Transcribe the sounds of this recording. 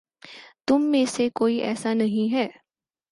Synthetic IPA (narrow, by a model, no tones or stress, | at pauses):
t̪ʊmːẽsekoːiʔɛ̰ːsanɐɦĩɦɛː